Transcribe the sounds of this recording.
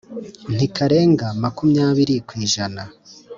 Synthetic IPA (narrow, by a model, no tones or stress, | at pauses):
n̥ikʰaɾe̞ːŋɡamakumɲaːβiɾikwiːʒana